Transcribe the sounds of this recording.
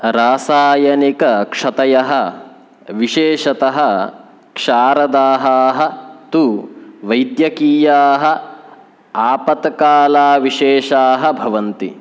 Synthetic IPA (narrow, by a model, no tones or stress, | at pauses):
ɾaːsaːjɐnikɐkʂɐt̪ɐjɐɦɐ | ʋiʃeːʃɐt̪ɐɦɐ | kʂaːɾɐd̪aːɦaːɦɐ̆t̪uʋɐjd̪jɐkiːjaːɦɐ̆ | aːpɐt̪kaːlaːʋiʃeːʃaːɦɐbʱɐʋɐnt̪i